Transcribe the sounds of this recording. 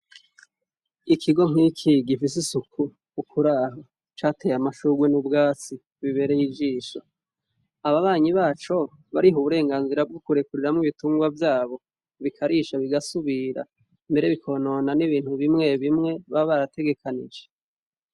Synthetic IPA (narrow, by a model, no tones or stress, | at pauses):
ikʰiɡo̞ŋ̥iːkʰiɡifis̬isukʰuː | kʰuɾaːɦo | t͡ʃaːtʰe̞ːjamaʃuːɡwenubɡaːt͡si | βiβe̞ɾejid͡ʒiːʃa | aβaβaːɲiβaːt͡ʃo̞ | βaɾiɦuβuɾe̞ːŋɡaːnziɾab̚ɡukuɾe̞kuɾiɾamŋiβituːŋɡwavjaːβo̞ | βikʰaɾiːʃaβiɡasuβiɾa̰ | mbe̞ɾeβikʰo̞ːno̞naniβiːn̥huβimŋe̞βimŋe̞βaβaɾatʰe̞ɡe̞kʰanḭd͡ʒe